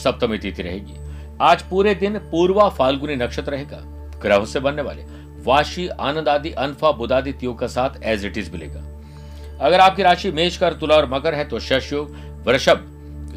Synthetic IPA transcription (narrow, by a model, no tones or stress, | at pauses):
sɐp̚t̪əmit̪iːt̪iɾɐ̰ɦḛ̃ːɡḭː | aːd͡ʒpuːɾed̪ɪnpuːɾʋafaːlɡuninɐkʃət̪ɾɐɦeːɡa̰ː | ɡɾɐɦõsebɐnːeʋa̰ːlḛ | ʋaːʃia̰ːnə̃nd̪aːd̪iʔɐnfabʊd̪aːd̪it̪ijõkasaːt̪ʰɛːzɪʈizbʱɪlḛːɡa̰ː | ɐɡəɾaːp̚kiɾaːʃimeːʃkɐɾt̪ʊlaɔːɾmɐkəɾɦɛt̪oʃɐʃjoːɡ | ʋɾɐʃəb